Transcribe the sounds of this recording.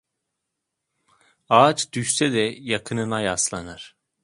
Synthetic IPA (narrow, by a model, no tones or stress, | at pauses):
aːt͡ʃd̪̥yʃsɛd̪ɛjakʰɯnɯnajaslˠanaɾ̥